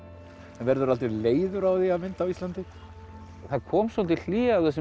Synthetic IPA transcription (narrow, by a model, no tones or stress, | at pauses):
ɛnvɛɾðʏɾalt̪ɪvleːjðʏɾawðiaðmɪnt̪awist̪lant̪ɪ | θaðkʰɔːmsɔlt̪ɪl̥iːɣaːwθɛs̬ː